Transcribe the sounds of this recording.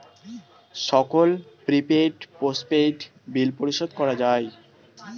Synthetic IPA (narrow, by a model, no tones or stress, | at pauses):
ʃɔkolpɾipeʈposʈpeʈ | bilpoɾiʃod̪̚kɔɾad͡ʑae